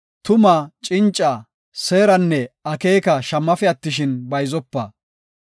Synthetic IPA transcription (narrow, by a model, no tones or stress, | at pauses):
t̪ʊmɐt͡ʃʼɪnt͡ʃʼːɐ | se̞ːɾɐnːɛɐkeːkɐʃɐmːɐfɛɐt̪ːɪʃ̬ɪnbɐjzɔpːɐ